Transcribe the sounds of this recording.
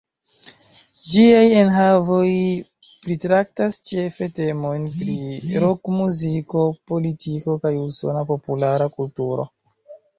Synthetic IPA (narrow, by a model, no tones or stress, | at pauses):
d͡ʒiaje̞nɦavo̞j | pɾitɾaktast͡ʃefe̞te̞mo̞jnpɾiɾokmuziko̞po̞litʰiko̞kajuso̞̰napo̞pulaɾakultuɾo̞̰